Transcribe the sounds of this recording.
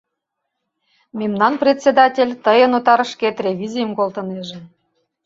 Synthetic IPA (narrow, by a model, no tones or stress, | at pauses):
mʲemnɑnprʲet̪ʲsʲed̪ɑtʲelʲt̪əjənot̪ɑɾəʃket̪rʲevʲizʲijəmkolt̪əneʒem